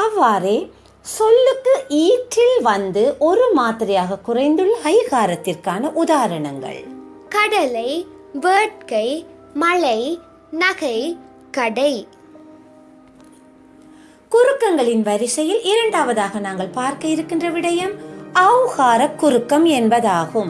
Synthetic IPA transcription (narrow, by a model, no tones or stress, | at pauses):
ɐʋːaːɾeː | sɔlːɯkːɯʔiːʈːɪlʋɐnd̪ɯʔɔɾɯmaːt̪ɪɾɪjaːɣɐkːʊrɐɪnd̪ɯɭːɐhɐɪɣaːɾɐt̪ːɪrkaːnɐʔʊðaːɾɐɳɐŋɡɐ̰ɭ | kɐɽɐlɐɪ | ʋeːʈ̚kɐɪ | mɐɭɐɪ | nɐɣɐɪ | kɐɽɐɪ | kʊɾɯkːɐŋɡɐɭɪnʋɐɾɪsɐjɪlɪɾɐɳɖaːʋɐðaːɣɐnaːŋɡɐɭpaːɾkɐɪɾɯkːɪndrɐʋɪɽɐjɐmɐʋɣaːɾɐkːʊɾɯkːɐmɛnbɐðaːɣɯm